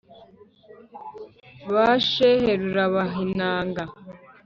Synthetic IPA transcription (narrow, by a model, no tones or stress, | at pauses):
βaʃeheɾuɾaβaɦinaːŋɡa